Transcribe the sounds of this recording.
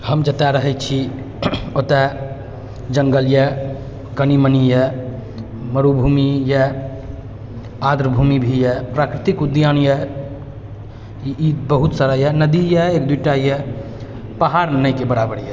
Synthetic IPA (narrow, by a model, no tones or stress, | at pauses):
həmd͡ʒət̪aɾəɦɛt͡ʃʰi | ot̪ɛ | d͡ʒəŋɡəljɛ | kənimənijɛ | məɾubʱumijɛ | ad̪ɾbʱumibʱijɛpɾakɾit̪ikud̪janjɛ | ibəɦut̪saɾəjɛnəd̪ijɛekd̪wuiʈajɛ | paɦaɾnəjkebəɽabəɽjɛ